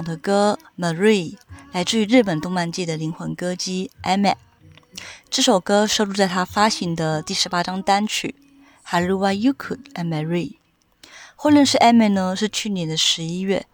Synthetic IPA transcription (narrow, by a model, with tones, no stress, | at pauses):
ŋd̪ə˧kɤ˥mə˧˩ɻi˥˩la˧˥ɪʈ͡ʂɻ̩˥˩y˧˥ɻɻ̩˥˩pə˨˩nt̪ʊ˥ŋma˧nt͡ɕɛ˥˩d̪ə˩li˧˥ŋxwɤ˧˥ŋkɤ˥t͡ɕi˥ʔɛ˥mɛ˥˩ | ʈ͡ʂɤ˥˩ʂo˨˩ʊkɤ˥ʂo˥˧lu˥˧t͡sa˥˩ɪt̪ʰa˥fa˥ɕi˧˥ŋd̪ə˧t̪i˥˩ʂɻ̩˧˥pa˥ʈ͡ʂɑ˥ŋt̪a˥nt͡ɕʰy̰˥˩ | xa˧˥ɪɻu˥˧wa˥˩ju˥kʰu˥˩tɛ˧˥˩nmə˧˩ɹi˥˩ | xo˥˧lɥɛ˥˧nʂɻ̩˥˧ʔa˥mɛ˥˩nə˧ʂɻ̩˥˧t͡ɕʰy˥˩njɛ˧˥nd̪ə˧ʂɻ̩˧˥i˥ɥɛ˥˩